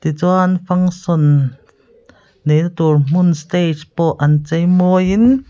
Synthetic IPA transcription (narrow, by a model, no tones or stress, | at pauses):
t̪it͡suanfaŋsɔn | ejnat̪urm̥unst̪et͡ʃpɔʔant͡sejmɔjin